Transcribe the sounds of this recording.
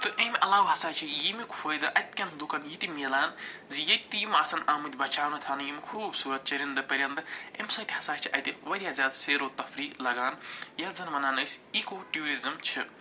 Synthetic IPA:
t̪ɨʔɐmʲʔɐlaːwɦɐsaːt͡ʃʰijimiku̥fɐːjd̪ɐʔɐt̪̚kʲɐnd̪ukɐnjit̪imilaːnzijɐt̪̚ʲt̪ːɨjimaːsɐnaːmɨt̪ʲbɐt͡ʃʰaːwnɐt̪ʰaːnɨjimkʰuːbsuːɾɐt̪̚t͡ʃɐɾʲind̪ɐpɐɾʲjɐnd̪ɨɐmʲsɐ̃t̪ihɐsaːt͡ʃʰiʔɐ̰jt̪iʋɐɾʲjaːzʲaːd̪seːɾoːt̪ɐfɾiːklɐɡaːnjɐzɐnmɐnaːnɐjsʲikoʈjuːɾizɐmt͡ʃʰi

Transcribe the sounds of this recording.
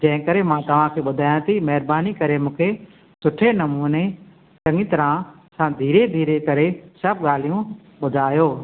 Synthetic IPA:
d͡ʑɐ̃ɦɪ̃kɐɾemãt̪ɐʋ̤ãkʰeːɓʊd̪ʱaːjãt̪ʰimɐɦɪɾbaːnikɐɾemũːkʰe | sʊʈʰenɐmuːne | ʈɐ̃ŋɡit̪ɐɾã | sãːd̪ʱiːɾed̪ʱiːɾekɐɾesɐb̚ɠaːl̤ijũ | ɓʊd̪ʱaːjoː

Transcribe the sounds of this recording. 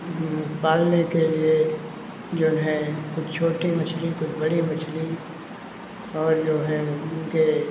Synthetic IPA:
paːlnekelie | d͡ʒoːɦɛ̃kʊt͡ʃʰt͡ʃʰoːʈimɐt͡ʃʰlikʊt͡ʃʰbɐɽimɐt͡ʃʰli | ɔːɾd͡ʒoːɦɛ̃ʊnke

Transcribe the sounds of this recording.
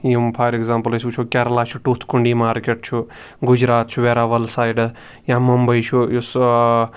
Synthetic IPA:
jimpʰaːjɾekzaːmpɐlisut͡ʃʰukʲaɾɐlaːt͡ʃʰuʈuːt̪ʰkuɳɖiːmaːɾkeʈ̚t͡ʃʰu | ɡud͡ʒɾaːt̪t͡ʃʰuʋeɾaːʋɐlsaːjɖ | jãmɐmbɐjt͡ʃʰujus

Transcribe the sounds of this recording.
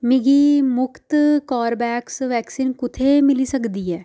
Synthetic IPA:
mɪɡiːmʊkʰt̪kaːɾbɛːksʋɛːksiːnkʊt̪ʰeːmɪliːsəkd̪iːɦɛː

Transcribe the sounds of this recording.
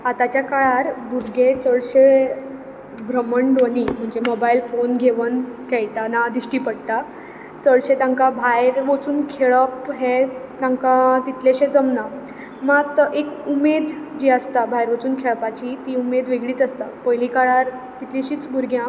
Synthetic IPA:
at̪at͡ɕjakaɭaɾbʱuɾɡet͡səɭɕe | bʱɾəməɳɖonim̤əɳd͡zemobailfonɡʱeʋənkɛɭʈ̪anad̪iɕʈiːpəɽʈ̪a | t͡səɭɕet̪ãŋkabʱajɾʋot͡suːnkʰeɭəpɦet̪ãŋkat̪it̪leɕed͡zəmnã | mat̪ekumed̪d͡ʑiəst̪abʱajɾʋət͡suːnkʰeɭpat͡ɕit̪iumed̪ʋeɡɭiːt͡səst̪apəjlikaɭaɾ | t̪it̪liɕiːt͡sbʱuɾɡʱjã

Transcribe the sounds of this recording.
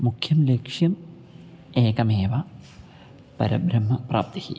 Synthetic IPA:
mukʰjɐmlekʂjɐm | eːkɐmeːʋɐ | pɐ̰ɾɐ̰bɾɐmːɐprʔa̰ːp̚t̪ɐhḭ

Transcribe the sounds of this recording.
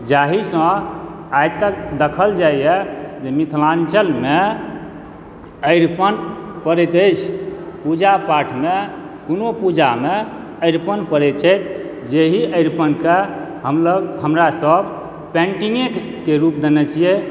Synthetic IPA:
d͡ʒaɦisə̃ | ajt̪ək̚d̪əkʰəld͡ʒajɛd͡ʒemit̪ʰlãnt͡ʃəlme | əjɾpənpəɾɛt̪əjt͡ʃʰpud͡ʒapaʈʰme | kunopud͡ʒame | əjɾpənpəɾɛt̪t͡ʃʰɛjt̪ | d͡ʒeɦiʔəɪɾpənke | ɦəmləɡɦəmɾasəb | pɛ̃ɳʈiŋek | kːeɾup̚d̪enɛt͡ʃije

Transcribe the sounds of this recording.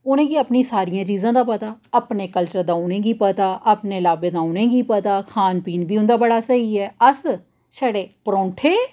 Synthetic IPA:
ʊnẽːɡiːəpnĩːsaːɾijãːt͡ʃiːzãːd̪aːpət̪aːəpneːkəlt͡ʃəɾd̪aːʊnẽːɡiːpət̪aːʔəpneːlaːbẽːd̪aːʊnẽːɡiːpət̪aːkʰaːnpiːnbiːʊ̃nd̪aːbəɽaːsəɦiːɛːəs | ʃɛːɽeːpɾõːɳʈʰeː

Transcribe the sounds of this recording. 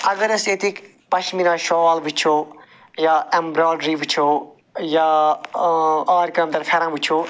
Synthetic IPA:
ɐɡəɾɐset̪ʰik | pɐʃminãːʃɔːlbʱut͡ʃʰo | jaembɾaːɖɾibʱut͡ʃʰo | jaː | aːɾkɐmd̪ɐɾpʰeːɾãːbut͡ʃʰo

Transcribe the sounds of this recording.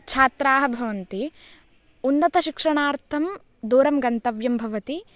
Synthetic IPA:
t͡ʃʰaːt̪ɾaːɦɐ̆bʱɐʋɐnt̪i | unːɐt̪ɐʃikʂɐɳaːɾt̪ʰɐm | d̪uːɾɐmɡɐnt̪ɐʋjɐmbʱɐʋɐt̪i

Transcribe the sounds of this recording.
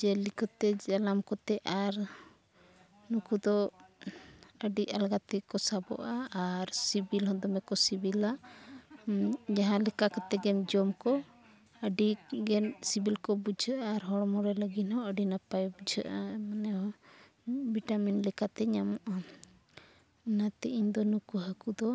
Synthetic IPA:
d͡ʒɛlikɔt̪ɛd͡ʒalamkɔt̪ɛʔaɾ | nukud̪ɔ | əɖiʔalɡat̪ɛkɔsabɔ̰ʔaaɾsibilɦɔd̪ɔmɛkɔsibilaʔ | d͡ʒaɦãlɛkakɔt̪ɛɡɛmd͡ʒɔmkɔ | əɖiɡɛnsibilkɔbud͡ʒʱəʔaɾɦɔɽmɔɾɛləɡinhɔəɖinapajbud͡ʒʱə̰ʔamanɛɦɔ | biʈaminlɛkat̪ɛɲamɔʔa | nat̪ɛʔiɲd̪ɔnukuɦakud̪ɔ

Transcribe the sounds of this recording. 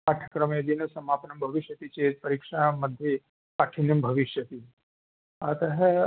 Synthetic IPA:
aʈʰə̥kɾəmed̪inɐsɐmapnɐmbʱɐʋiʃjɐt̪it͡ʃepɐɾikʂamɐd̪ʱji | paʈʰinjɐmbʱɐʋiʃjɐt̪i | at̪ɐɦɛ

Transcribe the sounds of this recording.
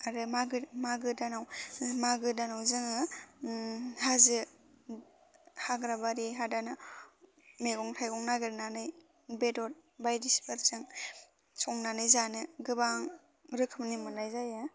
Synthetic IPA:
aɾɯmaɡɯmaɡɯdanawmaɡɯdanawzɯŋɯ | hazɯ | haɡɾabaɾiɦadanɯ | meɡɔŋtʰajɡɔŋnaɡɯɾnanɯj | bedɔt̚bajdispʰɯɾzɯŋ | sɔŋnanɯjzanɯɡɯbaŋ | ɾɯkʰɯmnimɯnajzaja

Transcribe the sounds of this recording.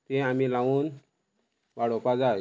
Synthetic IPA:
t̪eamilaʋuːn | ʋaɽɔpad͡zaj

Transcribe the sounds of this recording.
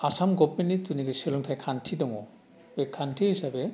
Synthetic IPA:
asamɡɔpmenituniɡeselɔŋtʰajkʰantʰidɔŋɔ | bekʰːantʰihisabɛ

